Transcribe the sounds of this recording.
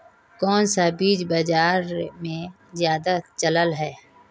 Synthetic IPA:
kɔːnsabiːd͡ʒbəd͡ʒaːɾmẽ | zjaːd̪at͡ʃələlɦɛː

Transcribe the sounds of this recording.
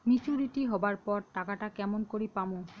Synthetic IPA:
mit͡ɕuɾiʈiɦɔbaɹpɔɹʈakaʈakɛmɔnkoɾipamõ

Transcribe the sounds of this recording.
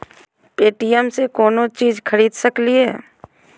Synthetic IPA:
peːʈijəmsekoːnot͡ʃiːd͡ʒkʰəɾiːd̪səkliɦɛ̰ː

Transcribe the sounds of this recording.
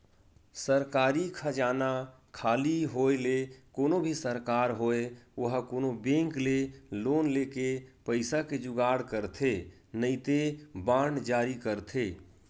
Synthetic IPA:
səɾkaːɾikʰəd͡ʒana | kʰaːliɦoelekoːnobʱisəɾkaɾɦoeoɦkoːnobẽŋkleloːnlekepəɪsaked͡ʒʊɡaɽkəɾt̪ʰe | nəɪt̪ebãɳɖd͡ʒaːɾikəɾt̪ʰe

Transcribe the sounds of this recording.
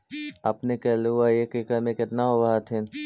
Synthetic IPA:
apnekɛːluaekekəmẽkɪt̪naɦobaɦat̪ʰɪn

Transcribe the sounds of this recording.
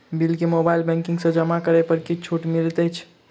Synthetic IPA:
bilkemobajlbɛ̃ŋkiŋɡsə̃d͡ʒəmakəɾəpəɾkit͡ʃʰoʈmilt̪əjt͡ʃʰ

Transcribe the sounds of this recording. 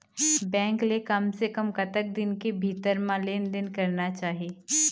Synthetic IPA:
bɛ̃ːŋklekɐmsekɐmkɐt̪ək̚d̪ɪnkebʱiːt̪əɾmãleːnd̪ɪnkɐɾnat͡ʃaːɦieː

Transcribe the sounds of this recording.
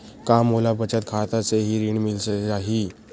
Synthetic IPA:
kamolabət͡ɕat̪̚kʰat̪at͡seɦiːɾiɳmilseaɦi

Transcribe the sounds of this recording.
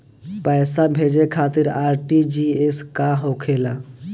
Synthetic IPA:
pəɪsabʱed͡ʒekʰat̪iɾaɾʈid͡ʒieskaɦokʰelã

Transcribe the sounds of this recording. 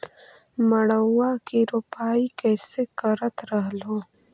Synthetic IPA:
mɐɽəwːakiɾupaːikɛːsekɐɾət̪ɾɐɦloː

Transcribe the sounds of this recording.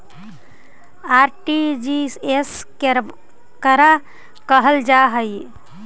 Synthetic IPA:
aɾʈid͡ʒises | k | kəɾa | kəɦəld͡ʒaɦəj

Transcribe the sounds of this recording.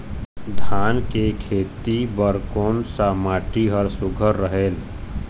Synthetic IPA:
d̪ʱaːnkekʰeːt̪ibəɾkoːnsamaːʈiɦəɾsʊɡʱəɾːəɦeːl

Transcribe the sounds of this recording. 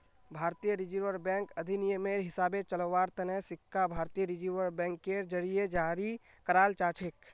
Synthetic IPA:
bʱaːɾt̪ijəɾɪd͡ʒiʋəɾbɛ̃ːŋkəd̪ʱinijəmeɾɦɪsaːbet͡ʃələʋaːɾt̪ənɛɦsɪkʰːabʱaːɾt̪ijəɾɪd͡ʒiʋəɾbɛ̃ːŋkːeɾd͡ʒəɾijed͡ʒaːɾi | kəɾaːlt͡ʃaːt͡ʃʰek

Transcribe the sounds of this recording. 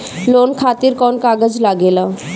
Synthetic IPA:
loːnkʰaːt̪iɾkɔːnkaːɡəd͡ʒlaɡeːlaː

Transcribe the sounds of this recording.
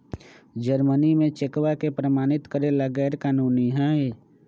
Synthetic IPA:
d͡ʒəɾmənimẽt͡ʃekwakepɾəmaːnɪt̪kəɾeləɡɛːɾkaːnuːniɦɛ̃e

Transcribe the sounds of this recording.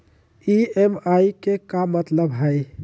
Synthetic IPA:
iemaikekamət̪ləbɦəj

